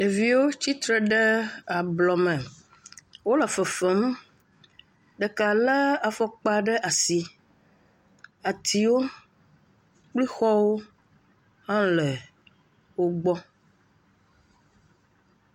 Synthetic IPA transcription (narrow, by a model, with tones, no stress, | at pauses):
e˨vi˨wo˦t͡ɕi˦t̪ɾɛ˨ɖɛ˦a˨blɔ˨mɛ̃˨ | wo˦la˨fɛ˨fɛ˦m | ɖɛ˨ka˨la˦a˨fɔ˦k͡pa˦ɖɛ˦ʔa˨si˨ | a˨t̪ʰi˨wo˦ | k͡pli˦xɔ˦wo˦ | hã˦lɛ˨ | wo˦ɡ͡bɔ˦